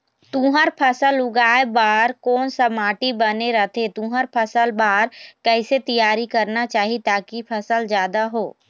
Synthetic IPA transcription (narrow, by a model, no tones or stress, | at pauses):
t̪ũːɦəɾpʰəsəlʊɡaːebaːɾkɔːnsəmaːʈibəneɾət̪ʰet̪ũːɦəɾpʰəsəlbaːɾkɛɪset̪ijaːɾikɐɾnat͡ʃaːɦit̪aːkipʰəsəld͡ʒjaːd̪aɦoː